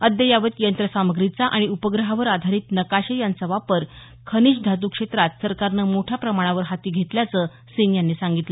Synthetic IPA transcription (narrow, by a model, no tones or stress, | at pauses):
əd̪jəjaʋət̪jənt̪ɾəsaməɡɾit͡saʔaɽ̃iupəɡɾəɦaʋəɾad̪ʱaɾiːt̪nəkaɕejant͡səʋapəɾ | kʰəñiːɕd̪ʱat̪̬uːkʂet̪ɾat̪səɾkaɾnəːmoʈʰjapɾəmaɽ̃aʋəɾɦat̪iːɡʱet̪ljat͡səː | sinjanːiːsaŋɡit̪lə